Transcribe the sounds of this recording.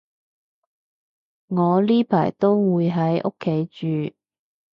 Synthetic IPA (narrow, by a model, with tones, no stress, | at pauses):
ŋɔː˨˧liː˥pʰa̰ː˨˩jt̪o˥wwuː˨˧jɦɐ˨˥jʔo̰˥kʰːe˨˥jt͡ʃyː˨